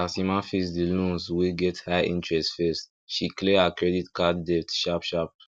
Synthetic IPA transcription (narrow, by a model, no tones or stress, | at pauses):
asimãfisdilũnzwiɡɛthaḭ̃ntɹɛstfɛst | ʃikleakɹɛditkaddɛftʃapʃap̚